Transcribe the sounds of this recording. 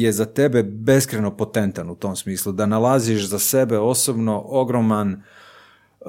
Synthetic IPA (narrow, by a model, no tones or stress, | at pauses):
je̞zat̪e̞be̞be̞skɾeno̞pot̪ent̪anut̪o̞msmiːslˠud̪analˠaziʃzase̞be̞o̞sobno̞ʔo̞ɡɾoman